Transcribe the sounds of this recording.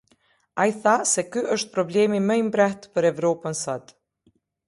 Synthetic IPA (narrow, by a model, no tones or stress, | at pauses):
ajθasɛkyʔəʃt̪̚pɾɔblɛmiməimbɾɛht̪pəɾɛvɾɔpənsɔd̪